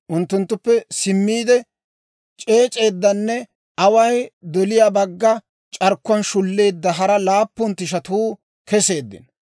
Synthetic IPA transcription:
ʔʊnt̪ːʊnt̪ːʊpːɛsɪmːiːd̪ɛ | t͡ʃʼeːt͡ʃʼe̞ːd̪ːɐnːɛ | ɐwɐjd̪ɔlɪjabɐɡːɐ | t͡ʃʼɐɾkːʊɐnʃʊlːe̞ːd̪ːɐɦɐɾɐlaːpːʊnt̪ːɪʃ̬ɐt̪uː | kɛse̞ːd̪ːɪ̰n

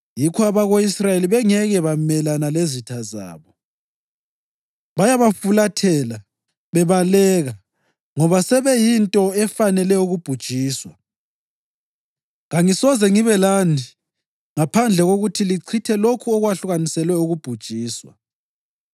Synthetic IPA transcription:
jikʰɔaβaɣoisrajeliβɛŋɛɣɛβamɛlanalezitʰaza̰ːβɔ | βajaβafulatʰɛla | βɛβalɛɣa | ŋɔβasɛβɛjintʼɔɛfanɛlɛuɣub̥ʱud̥ʒ̥ʱiːswa | ɣaŋisɔzɛŋiβɛlani | ŋapʰand͡ɮʱɛɣoɣutʰiliǀʰitʰɛlokʰuɔɣwaɬuɣanisɛlwɛuɣub̥ʱud̥ʒ̥ʱiːswa̰

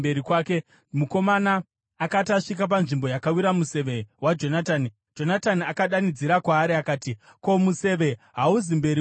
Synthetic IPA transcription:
beɾikwaːke̞ | muko̞manaː | kataʂik̬ap̬anʐimbo̞jakawiɾamuse̞ʋe̞wad͡ʒo̞natani | d͡ʒo̞nataniakaɗanid͡ziɾakwaːɾiakaːti | ko̞muse̞ʋe̞ɦauzimbe̞ɾi

